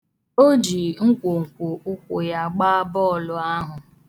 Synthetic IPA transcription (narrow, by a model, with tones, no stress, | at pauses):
o˦d͡ʒi˨ŋ̩˦kʷo˨ŋ̩˨kʷo˨ʔʊ˦kʷʊ˨ja˦˨ɡ͡baː˦bɔ˦˨lʊ˦a˦ɦʊ˨